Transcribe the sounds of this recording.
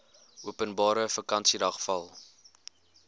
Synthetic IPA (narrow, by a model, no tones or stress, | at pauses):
ʔuəpənbɑːɾəfəkɐnsidɐχfɐlˠ